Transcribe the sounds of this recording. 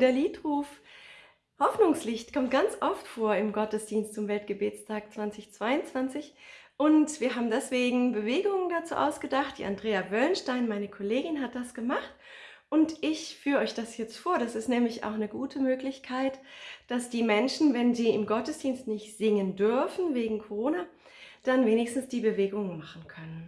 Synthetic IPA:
d̥eːɐliːtʁuːf | hɔfnʊŋslɪçtkʰɔmt̚ɡ̥ant͡sʔɔftfoːɐɪmɡɔtəsd̥iːnstt͡sʊmvɛltɡ̥əbeːt͡stʰaːk̚t͡sv̥ant͡sɪçt͡sv̥aɪʊnt͡sv̥ant͡sɪçʔʊntv̥iːɐɦaːbm̩dɛsv̥eːɡŋ̩bəveːɡʊŋəndat͡sṵːʔa̰ʊsɡ̥ədaχt̚d̥ḭːʔa̰ndʁeːavœlnʃtaɪnmaɪnəkʰoleːɡɪnɦat̚d̥asɡ̥əmaχt | ʔʊntʔɪçfyːʁʔɔʏçd̥asjɛt͡stfoːɐdasɪstnɛːmlɪça̰ʊxnəɡuːtʰəmøːklɪçkʰaɪtd̥asd̥iːmɛnʃn̩vɛnziːɪmɡɔtəsd̥iːnstnɪçtz̥ɪŋəndʏɐfn̩veːɡŋ̩kʰoʁ̞oːna | d̥anveːnɪçstn̩sd̥iːbəveːɡʊŋənmaχn̩kʰœnən

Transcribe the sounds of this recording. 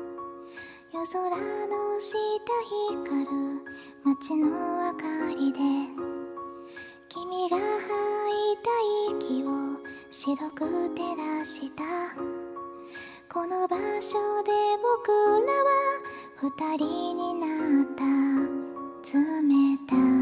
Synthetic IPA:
jo̞so̞ɾanoɕit̪açikaɾɯ̟ | mat͡ɕinoβakaɾʲid̪e̞ | kʲimʲiɡahait̪aikʲiβo | ɕiɾo̞kɯt̪e̞ɾaɕit̪a | ko̞no̞baɕod̪e̞bokɯ̟naβa | ɸɯ̟t̪aɾʲiɲ̟inat̪ːa | t͡sɨmet̪a

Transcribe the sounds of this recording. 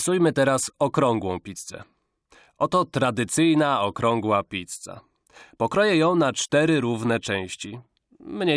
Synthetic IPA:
sujmɘt̪ɛɾasɔkɾɔŋɡwɔ̃w̃pʲit̪st̪sɛ̰ | ʔɔt̪ɔt̪ɾad̪ɘt̪sɘjnaɔkɾɔ̃ŋɡwapʲit̪st̪sa̰ | pɔkɾɔjɛjɔ̃w̃nat͡ʂt̪ɛɾɘɾuvnɛt͡ʂɛ̃w̃ɕt͡ɕi | mɲe

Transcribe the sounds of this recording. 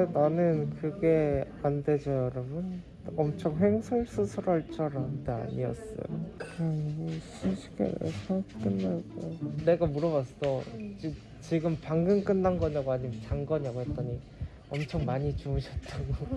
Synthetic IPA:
enanɯnkɯɡe̞ | ande̞d͡ʑʌjʌɾʌbɯn | ʌmt͡ɕʰʌŋɦe̞ŋsʰuɭs͈ʰɯsʰɯɾʌɭt͡ɕ͈ʰʌɾantea̰ɲḭʌ̰s͈ʌ̰jo̰kɯɾʌoɕʰiɕʰi̥ɡḛnḛsʰak͈ɯnːaɡone̞ɡamuɾʌβas͈ʌt͡ɕi | t͡ɕiɡɯmpaŋɡɯŋk͈ɯnːanɡʌɲaɡoaɲimt͡ɕaŋɡʌɲaɡoɦet̚t͈ʌɲi | ʌmt͡ɕʰʌŋmaɲit͡ɕuɯɕʰʌt̚t͈aɡo

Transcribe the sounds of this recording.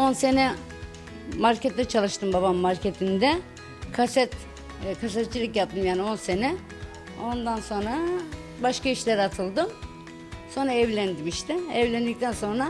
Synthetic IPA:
o̞nse̞nɛ | maɾcʰɛt̪ːɛt͡ʃʰalˠɯʃt̪ɯmbabamːaɾcʰet̪ʰind̪ɛ | kʰasɛt̪ː | kʰas̬ɛt̪̚t͡ʃilʲˠicjap̚t̪ʰɯmjaːnio̞nse̞nɛ | o̞nd̪anso̞nɾa | baʃkʰaiʃlʲeɾat̪ʰɯlˠd̪ɯm | so̞nɾaɛvlʲænd̪imiʃt̪ʰɪɛvlʲænd̪ic̚t̪ʰænso̞nɾa

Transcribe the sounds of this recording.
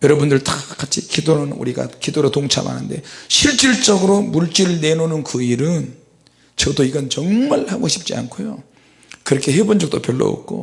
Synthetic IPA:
jʌɾʌbundɯɭt͈ak͈at͡ɕʰikidonɯnṵɾiɡa̰kidoɾotoŋt͡ɕʰa̰ma̰nɯnde̞̰ɕʰiɭt͡ɕ͈iɭt͡ɕ͈ʌɡɯɾomuɭt͡ɕ͈iɾɯɭne̞nonɯnkɯiɾɯn | t͡ɕʌdoiɡʌnt͡ɕʌŋmaɭhaɡoɕʰi̥p̚t͡ɕ͈ia̰nkʰojo̰ | kɯɾʌkʰe̞hebond͡ʑʌk̚t͈opjʌɭːʌ̰o̰k̚k͈o̰

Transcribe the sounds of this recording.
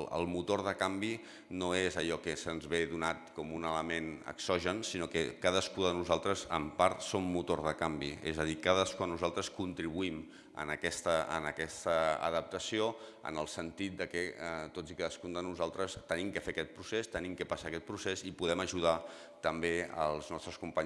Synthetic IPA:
ə̰lˠmut̪oɾðəkambi | noezəʎɔkəsənzβeðunat̪kɔmunələmenə̰ksɔʒənsinokəkaðəskuðənuzalˠt̪ɾəzə̰mpaɾt̪somːut̪oɾð̞əkambiḛzəðikaðəskuanːuzalˠt̪ɾəskunt̪ɾiβuim | ə̰nəkɛst̪əə̰nəkɛst̪əə̰ðəp̚t̪əsioə̰nəlˠsənt̪it̪̚d̪əkət̪od͡zikaðəskund̪ənuzalˠt̪ɾəst̪ənimkəfeəkɛt̪̚pɾusest̪ənimkəpasaəkɛt̪̚pɾusezipuðɛməʒuð̞a | t̪əmbeə̰lˠznɔst̪ɾəskumpaɲ

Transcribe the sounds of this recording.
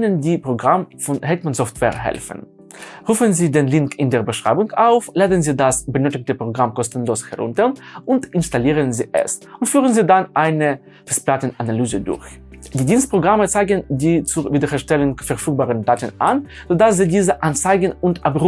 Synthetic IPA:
nəndiːpʁ̥oɡʁamfɔnhɛtmanzɔftv̥ɛ̰ːɐɦɛ̰lfən̩ | ʁuːfənziːdeːnlɪŋkɪndeːɐbəʃʁ̥a̰ɪbʊŋkaʊflaːdənziːdasbənøːtɪk̚təpʁ̥oɡʁamkɔstən̩loːshɛ̰ʁʊ̰ntəʁʔʊntʔɪnstaliːʁənzḭːʔɛ̰sʔʊntfyːʁənziːdanʔaɪnə | fɛsplatənanalyːzədʊ̰ɐçd̥iːdiːnst̚pʁ̥oɡʁamət͡saɪɡəndiːt͡suviːdɐɛʃtɛlənfɛɐʁfyːk̚baːʁəndaːtənʔa̰n | z̥oːdasz̥iːdiːzəʔant͡saɪɡən̩ʊntʔapʁ

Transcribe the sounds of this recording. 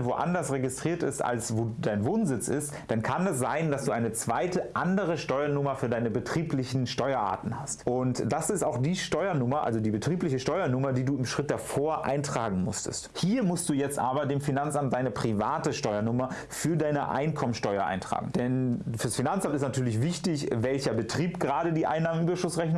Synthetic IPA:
nvoːʔa̰ndɐsʁeɡɪstʁ̥iːɐtɪ̰stʔa̰lsvoːdaɪnvoːnzɪt͡sɪ̰std̥ankʰanɛsz̥aɪndasd̥uːʔaɪnət͡sv̥aɪtəʔandəʁ̞əʃtɔʏɐnʊmɐfyːɐdaɪnəbətʁ̥iːplɪçn̩ʃtɔʏɐʔa̰ːtn̩hastʔʊntd̥asɪstaʊxd̥iːʃtɔʏɐnʊmɐʔa̰lzodiːbətʁ̥iːplɪçəʃtɔʏɐnʊmɐdiːduːɪmʃʁ̥ɪt̚d̥afoːɐʔa̰ɪntʁ̥aːɡŋ̩mʊ̰stə̰sthiːɐmʊst̚d̥uːjɛt͡stʔaːbɐdeːmfinant͡sʔamt̚d̥aɪnəpʁ̥ivaːtəʃtɔʏɐnʊmɐ | fyːɐdaɪnə̰ʔa̰ɪnkʰɔmənʃtɔʏɐʔa̰ɪntʁ̥a̰ːɡŋ̩d̥ɛnfyːɐsfinant͡sʔamtɪstnatʰyːɐlɪçvɪçtɪçvɛlçɐbətʁ̥iːpɡ̥əʁaːɾədiːʔa̰ɪnːaːmən̩ʔyːbɐʃʊsʁɛçn

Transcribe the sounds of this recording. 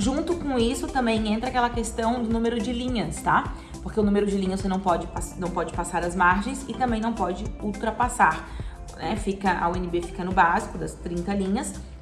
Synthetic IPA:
ʒũnt̪ʊkõw̃isʊt̪ɐ̃mbẽj̃ẽnt̪ɾɐakɛlɐkest̪ɐ̃w̃d̪ʊnũmeɾʊd͡ʒɪlĩɲɐst̪a | poɾkeʊnũmeɾʊd͡ʒɪlĩɲɐvosenɐ̃w̃pɔd͡ʒɪpasnɐ̃w̃pɔd͡ʒɪpasaɾɐzmaɾʒẽj̃sɪt̪ɐ̃mbẽj̃nɐ̃w̃pɔd͡ʒɪuwt̪ɾɐpasaɾ | nɛfikɐʔɐ̰wẽnɪbefi̥kɐnʊbazikʊd̪ɐst̪ɾĩnt̪ɐlĩɲɐs

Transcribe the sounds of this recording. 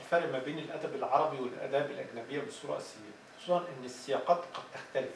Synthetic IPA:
lfæːɾɪʔmæbeːnɪlʔæd̪æbɪlʕɑɾˤɑbiwɪlʔæ̰d̪æːbɪlʔæ̰ɡnæbɪjːabɪsˤuːɾˤɑ̰ʔɪsɪja | sˤuːɾˤɑnʔɪnːɪsːɪjɑqɑːt̪qɑd̪̚t̪ɪxt̪ælɪf

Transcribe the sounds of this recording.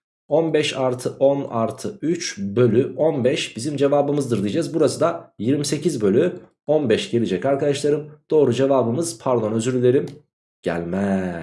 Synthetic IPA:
o̞nbɛʃaɾt̪ʰɯʔona̰ɾt̪ʰɯyt͡ʃbø̞lʲyʔonbɛʃbizimd͡ʒe̞vaːbɯmɯzd̪ɯɾd̪ijd͡ʒazbuɾasɯd̪ajiɾmise̞cizbø̞lʲy | onbɛʃɟe̞lʲid͡ʒɛcaɾkad̪aʃlˠaɾɯmd̪̥o̞ːɾud͡ʒe̞vaːbɯmɯz̥pʰaɾd̪ˠonøzyɾylʲe̞ɾim | ɟ̥æ̰lʲmɛ

